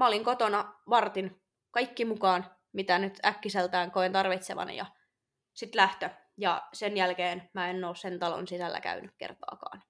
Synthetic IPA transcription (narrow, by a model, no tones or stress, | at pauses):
mæoliŋkot̪onɑʋɑrt̪in | kɑikːimukɑːn | mit̪ænyt̪ækːiselt̪æːŋkoint̪ɑrʋit̪seʋɑ̰njɑ̰ | sit̪læht̪ø | jɑsenjælkeːnmæenːoːssent̪ɑlo̰nsisælːæ̰kæ̰ynykkḛrt̪ɑ̰ːkɑ̰ːn